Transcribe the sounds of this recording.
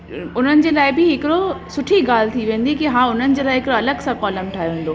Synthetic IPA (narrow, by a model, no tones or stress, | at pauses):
ʊn̤ənɪ̆d͡ʑeːlaːɪbɪɦɪkɪɽosʊʈʰiɡaːl̤t̪ʰiʋẽːn̆d̪ikiɦãːʊn̤ənɪ̆d͡ʑeːlaːɪɦɪkɪɽoɐləɡsãkɔːləmʈʰaːɦijʋẽːnd̪oː